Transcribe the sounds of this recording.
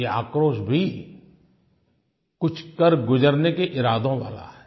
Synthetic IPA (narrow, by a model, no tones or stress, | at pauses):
ea̰ːkɾoːʃbʱi | kʊt͡ʃʰkəɾɡʊd͡ʒəɾnekeʔɪɾaːd̪ʱõʋa̰ːla̰ɦɛː